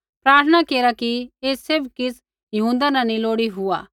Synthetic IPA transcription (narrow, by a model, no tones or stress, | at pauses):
pɾaːɾt̪ʰənakeːɾakieːsɪbkɪs | jɐɦũːnd̪anãnĩloːɽiɦʊa̰ː